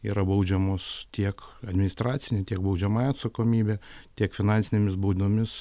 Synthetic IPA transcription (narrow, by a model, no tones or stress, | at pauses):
ḭːɾɐbɐʊd͡ʒʲɛmoːst̪ʲiɛkɐd̪ʲmʲɪnɪst̪ɾɑːt̪sʲɪnʲet̪ʲiɛkbɐʊd͡ʒʲɛmɑːjɛɐt̪sɐkoːmʲiːbʲeːt̪ʲiɛkfʲɪnɑːnʲsʲɪnʲeːmʲɪsbuːd̪ʲɪnomʲɪs